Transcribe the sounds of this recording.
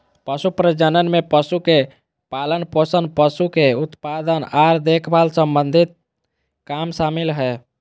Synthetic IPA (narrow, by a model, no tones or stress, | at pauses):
pəsupɾəd͡ʒənənmepəsuke | palənposənpəsukeut̪pad̪ənaɾd̪ekʰbalsəmbənd̪ʱit̪̚ | kamsamilɦɛ